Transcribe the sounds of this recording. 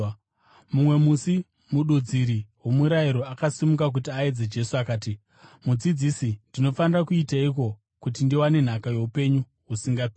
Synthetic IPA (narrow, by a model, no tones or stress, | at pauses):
mumwe̞musi | muɗud͡ziɾiwomuɾaiɾo̞akasimukak̬utiaed͡zed͡ʒe̞suakaːti | mud͡zid͡zisindino̞fanirakuitaiko̞ | kut̬indiwane̞n̤akajo̞upe̞ɲu | ɦusiŋɡapi